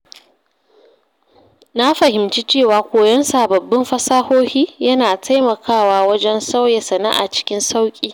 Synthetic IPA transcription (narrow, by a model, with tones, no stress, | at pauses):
na˦ɸɐ˨hɪ˨mt͡ʃiː˦t͡ʃeː˦˨waː˨kʷoː˨jɔ˦nsa˨bɐ˨bːɪ˦mɸɐ˦saː˦hoː˦hiː˦jɐ˦naː˨tʰa˦jmɐ˨kʰaː˦˨waː˨˦wɐ˦d͡ʒɛ˦nsa˦wjɛ˨sɐ˨na̰˦ʔa̰˨t͡ʃɪ̥˦kʲɪ˦nsa˦wkʲʼiː˦